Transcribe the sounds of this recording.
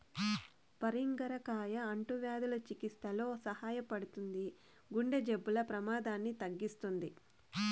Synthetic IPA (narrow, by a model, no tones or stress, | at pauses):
pɐɾiŋɡɐɾɐkaːjɐːɳʈuʋjaːd̪ulɐt͡ʃikist̪ɐlo̞ːsɐhaːjɐpɐɽut̪und̪i | ɡuɳɖed͡ʒebːulɐpɾɐmaːd̪aːnːit̪ɐɡːist̪und̪i